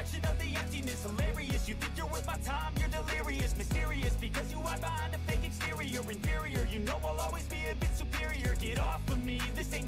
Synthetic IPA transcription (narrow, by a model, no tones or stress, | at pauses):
kʃɨ̃nʌvðiɛ̃ntinɨsəlɛɹiɨsjɨθɪ̃ŋkðə˞wʌzmatʰãɪ̃mjə˞dəlɪɹiɨsmɨstɪɹiɨsb̥ɨkʰʌzjɨabãnɨ̥θɪ̃ŋkɨ̃nstɪɹiə˞ɨ̃ɱfɪɹiə˞jɨnoʊwɪlˠɔlˠwizbiɨbɪtsupʰɪɹiə˞ʔɪɾɔfə˞miðɨsẽɪ̃